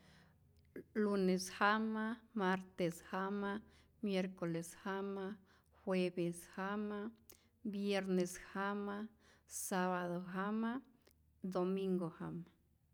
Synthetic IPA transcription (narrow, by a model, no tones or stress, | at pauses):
luneshamamaɾt̪eshama | mjeɾkoleshama | xwebeshama | bjeɾneshama | saβaðoɦama | d̪omiŋɡohama